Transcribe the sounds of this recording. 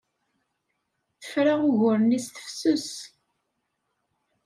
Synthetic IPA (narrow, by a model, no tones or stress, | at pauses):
θə̥fɾaʁʊʝʊɾənisθə̥fsʊs